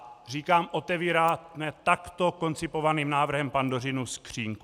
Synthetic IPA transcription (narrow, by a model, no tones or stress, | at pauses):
riːkaːmʔot̪ɛviːɾaːnɛt̪akt̪oko̞nt͡sɪpovaniːmnaːvr̩ɦɛmpandorɪnuskr̝̥iːŋku